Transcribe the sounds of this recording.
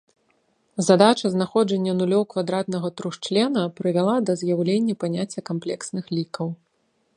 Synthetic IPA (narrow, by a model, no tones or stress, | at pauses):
zad̪at͡ʂɐznaxɔd͡ʐɐnʲːɐnulʲɔwkvad̪ɾat̪nɐɣɐt̪ɾuʂt͡ʂlʲɛnɐpɾɨvʲalˠad̪ɐzʲjawlʲenʲːɐpanʲat͡sʲːɐkamplʲɛksnɨxlʲikɐw